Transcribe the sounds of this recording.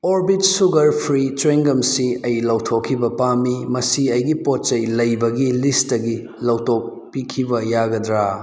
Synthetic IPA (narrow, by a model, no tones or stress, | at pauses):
oɾbitsuɡɐɾpʰɾitɾeŋɡɐmsiɐjlɐwtʰokʰːibɐpamːimɐsiɐjɡipot̚t͡ʃɐjlɐjbɐɡilistɐɡi | lɐwtok̚ | pikʰibɐjaɡɐdɾa